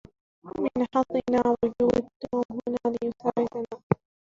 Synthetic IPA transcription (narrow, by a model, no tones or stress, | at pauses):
mɪnħɑsˤɨnaːwʊd͡ʒuːʔɪd̪ːuːmɦʊnaːlɪjʊsaːʕɪd̪anaː